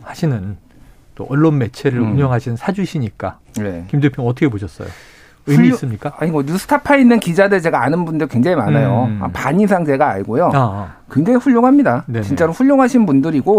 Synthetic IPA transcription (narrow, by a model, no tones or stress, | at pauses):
haɕʰinɯn | t͈oʌɭːonme̞t͡ɕʰe̞ɾɯɾuɲʌŋɦaɕʰinnsʰad͡ʑuɕʰiɲik͈a̰ | ne̞̰kimdupʰoŋʌt̬ʰʌkʰeoɕʰʌs͈ʌ̰jo̰ | ɯiːs͈ɯmɲik͈aaɲiɡoɲusʰɯ̥tʰapʰainːɯnkid͡ʑadɯɾt͡ɕe̞ɡaanɯnbundɯkweŋd͡ʑaŋimanajoa̰paɲisʰaŋt͡ɕe̞ɡa̰ːɭɡojoa | kwe̞ŋd͡ʑaŋiɸuʎːoŋɦamɲidanet͡ɕint͡ɕ͈aɾoɸuʎːoŋɦaɕʰinbundɯɾiɡo